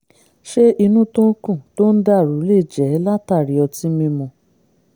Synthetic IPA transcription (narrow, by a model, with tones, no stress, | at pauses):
ʃe˦ʔi˧nũ˦to˦kũ˦˨to˦n̩˦da˦˨ɾu˨˦le˦˨d͡ʒɛ˨˦la˦ta˦˨ɾi˨˦ɔ˧ti˧˦mĩ˧mɔ̃˧˨